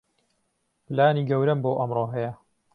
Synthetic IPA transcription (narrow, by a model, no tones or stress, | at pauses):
plaːniːɡɐwɾɐmboːʔɐmroːɦɐjɐ